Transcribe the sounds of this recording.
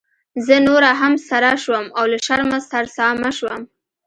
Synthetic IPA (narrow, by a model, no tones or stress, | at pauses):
zənoɾaɦamsaɾaʃwəmawlaʃaɾmast̪aɾsɑmaʃwəm